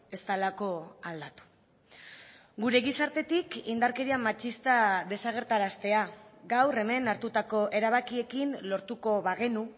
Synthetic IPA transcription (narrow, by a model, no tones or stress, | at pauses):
e̞st̪alako̞ald̪at̪u̥ | ɡuɾe̞ɣisaɾt̪e̞t̪ikind̪aɾke̞ɾiamat͡ʃist̪aðe̞saɣ̞e̞ɾt̪aɾast̪e̞aɡawre̞me̞naɾt̪ut̪ako̞ʔe̞ɾaβ̞akie̞kinlo̞ɾt̪uko̞βaɣ̞e̞nu